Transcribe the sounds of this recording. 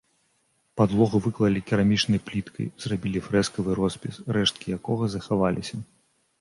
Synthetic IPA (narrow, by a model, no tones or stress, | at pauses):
pad̪lˠɔɣuvɨklˠɐlʲikʲiɾamʲit͡ʂnɐjplʲit̪kʰɐ̰jz̥rabʲilʲifɾɛskɐvɨɾɔspʲisrɛʂt̪̚kʲijakɔɣɐzɐxavalʲʔḭsʲɐ